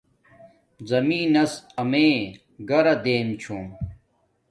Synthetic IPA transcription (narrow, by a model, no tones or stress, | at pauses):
zɐmiːnɐsɐmeː | ɡɐɾɐd̪eːmt͡ɕʰoːm